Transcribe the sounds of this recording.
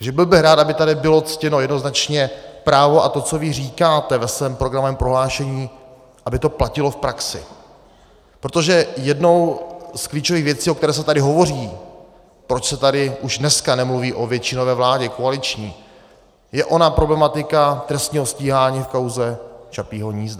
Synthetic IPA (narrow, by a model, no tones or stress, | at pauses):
ʒɛbɪlbɪɾaːt̪abɪt̪adɪbɪlo̞t͡scɛno̞jɛdno̞znat͡ʃɲɛpɾaːvo̞ʔat̪o̞t͡so̞vɪriːkaːt̪ɛvɛsvɛːmpɾoɡɾamovɛːmpɾoɦlaːʃɛɲiː | ʔabɪt̪o̞placɪlo̞fpɾaksɪ̰ | pɾot̪o̞ʒɛjɛdno̞wskliːt͡ʃoviːɣvjɛt͡siːokt̪ɛɾɛːs̬ɛt̪adɪɦo̞vo̞riː | pɾot͡ʃsɛt̪adɪʔuʒdnɛskanɛmluviːʔovjɛt͡ʃɪnovɛːvlaːɟɛkoalɪt͡ʃɲiː | jɛʔo̞napɾo̞blɛmat̪ɪkat̪ɾɛst̪ɲiːɦo̞sciːɦaːɲiːfkawzɛt͡ʃapiːɦo̞ɲiːzda